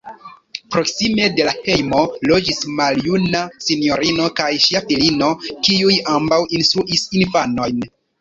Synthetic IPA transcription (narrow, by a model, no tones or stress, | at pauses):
pɾo̞ksime̞de̞lahe̞jmo̞lo̞d͡ʒismaljunasinio̞ɾino̞kajʃiafilino̞kiujambawinst̪ɾuʔisinfano̞jn